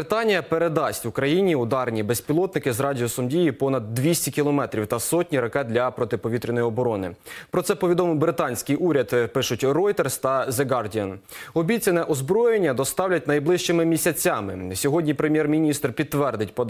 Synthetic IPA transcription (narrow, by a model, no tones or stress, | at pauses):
t̪ɑnʲijɐpeɾed̪ɑsʲtʲʊkɾɐjinʲiʊd̪ɑɾnʲibespʲilˠɔt̪nɪkɪzrɑdʲijɔsɔmdʲijipɔnɐd̪ːʋʲisʲtʲikʲilˠɔmɛt̪ɾʲiwt̪ɐsɔtʲnʲiɾɐkɛd̪lʲɐpɾɔt̪ɪpɔʋʲit̪ɾʲɪnɔjiɔbɔɾɔnɪpɾɔt̪sɛpɔʋʲid̪ɔmɪwbɾɪt̪ɑnʲsʲkɪjuɾʲɐd̪pɪʃʊtʲrɔjt̪erst̪ɐzeɡɑrdʲiɐn | ɔbʲit͡sʲɐnɛʔɔzbɾɔjenʲːɐd̪ɔst̪ɑwlʲɐt̚ʲnɐjblˠɪʃt͡ʃɪmɪmʲisʲɐt͡sʲɑmɪsʲɔɦɔdʲnʲipɾemʲjɛrmʲinʲist̪rpʲid̪̚t̪ːʋɛrd̪ɪt̚ʲpɔd̪